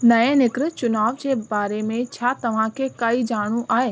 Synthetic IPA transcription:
nɐẽnɪkɾɪt͡ɕʊnaːʋd͡ʑebaːɾemẽt͡ɕʰaːt̪ɐʋ̤ãkʰekaːid͡ʒaːɽ̃ũʔʔaːeː

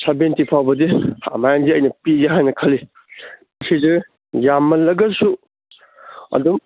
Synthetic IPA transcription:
sabentipʰawbɐdia̰majandiɐjnɐpiɡeɦajnɐkʰɐli | mɐsizɯ | jamːɐlɐɡɐsu | ɐ̰dum

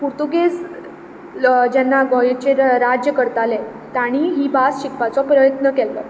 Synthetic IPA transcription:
puɾt̪uɡes | d͡ʑɛnːaɡɔjt͡ɕeɾad͡ʑjəkəɾt̪ale | t̪aɽ̃iɦiːbasɕikpat͡sɔpɾəjət̪nəkɛlːɔ̰

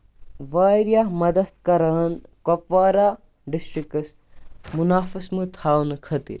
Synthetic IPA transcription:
ʋaːɾjamɐd̪ɐt̪kɐɾaːnkopʋaːɾaː | ɖisʈɾikɐs | munaːfɐsmɨt̪ʰaːwnɨkʰɐt̪ḭɾ

